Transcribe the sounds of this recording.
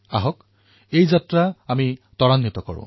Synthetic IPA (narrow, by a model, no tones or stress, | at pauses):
aɦɔk | ejzatɹaamitɔɹanːit̪ɔkɔ̰ɹʊ̰̃